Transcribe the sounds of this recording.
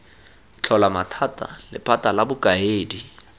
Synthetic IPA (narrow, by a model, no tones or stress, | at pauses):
t͡ɬʰɔlamatʰatʼa̰lɪ̰pʰʼatʼalabʊkʼaeːdi